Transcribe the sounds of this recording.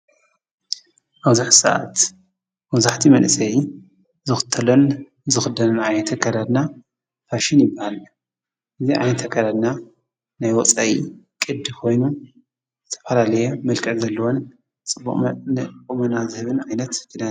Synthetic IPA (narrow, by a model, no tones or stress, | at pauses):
ʔaβwzuħsa̰ʔa̰t̪ | mɐwzaħt̪ʰimɐnʔsʼɐji | zɨxɨ̥t̪ʰːɐlon | zɨxɨd̪ɐnɨnʕajnɐt̪ʰɐkʰɐd̪ad̪na | faʃɪnjɪbːahal | ʔɨziʕa̰jnɐt̪ʰɐkʰɐd̪ad̪na | najwɔt͡sʼaʔikʼɨd̪kʰo̞jnu | zɨt̪ʰɐ̥fɐlalɐjomɨlkʼɨzɐlːɐwon | t͡sʼɨbːukʼumɐnazɨhɨβɨnʕajnɐt̪ɡ̥ɨda